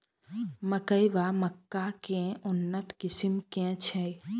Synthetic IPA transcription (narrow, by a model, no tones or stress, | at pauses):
məkəjʋaməkːakẽʊnːət̪kɪsɪmkɛ̃t͡ʃʰɛ̃